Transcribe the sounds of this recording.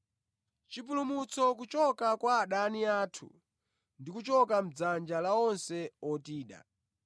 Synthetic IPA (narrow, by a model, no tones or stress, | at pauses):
t͡ʃipulumut͡sʰɔk̬ut͡ʃɔkakwaːɗaniaːtʰṵ | ndikut͡ʃɔkam̩d͡zand͡ʒalaɔnsɛɔtiːɗa̰